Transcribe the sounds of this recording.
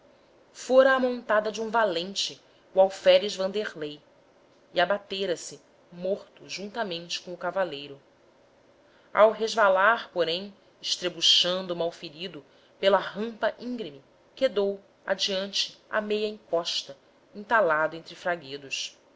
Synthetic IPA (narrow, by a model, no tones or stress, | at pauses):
foɾɐːmõnt̪ad̪ɐd͡ʒɪũvalẽnt͡ʃɪ | uawfɛɾɪʒvɐ̃nd̪eʁlej | iabat̪eɾɐsɪ | moχt̪ʊʒũnt̪ɐmẽnt͡ʃɪ̥kõʊkavalejɾʊ | a̰wɦeʒvalaɾpoɾẽj̃ | ɪʃt̪ɾebuʃɐ̃nd̪ʊːmawfiɾid̪ʊ | pelɐɦɐ̃mpɐʔĩŋɡɾimi | ked̪ow | a̰d͡ʒiɐ̃nt͡ʃɪ̥a̰mejɐĩŋkɔʃt̪ɐ | ĩnt̪alad̪ʊẽnt̪ɾɪfɾaɡed̪ʊs